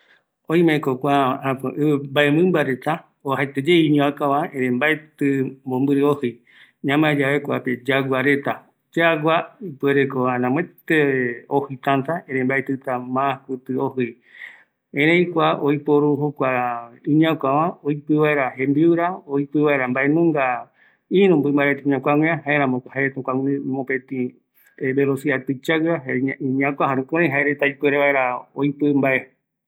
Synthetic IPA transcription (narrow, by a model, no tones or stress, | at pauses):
oĩmẽkokʷaapɨ̃ʔɨɨbaemɨ̃mbaɾet̪a | oɦat̪ed͡ʒeiɲ̃akaβãẽɾẽmbaet̪ɨmbombɨɾɨohɨj | ɲãmad͡ʒaβekʷaped͡ʒaɡʷaɾe̞t̪a | d͡ʒaɡʷaipweɾekoanãmẽt̪eohɨt̪ãnt̪aẽɾẽmbaet̪ɨt̪amãkʷɨt̪ɨohɨj | ẽɾẽĩkʷaʔojpoɾuɦokʷaĩɲãkʷãʋãojpɨβae̞ɾaɦẽmbiwɾaoipɨβaeɾambaʔe̞nũŋɡa | ĩɾũmbɨmbaet̪iĩɲãkʷawʷẽãɦaeɾãmõkhaeet̪ũkʷãŋmõpẽt̪ĩ | eβelosiat̪ɨt͡ʃaɣaĩɲãkʷãɦãɾũkõɾẽj̃ɦaeɾet̪ajpeɾeβaeɾaojpɨmbaʔe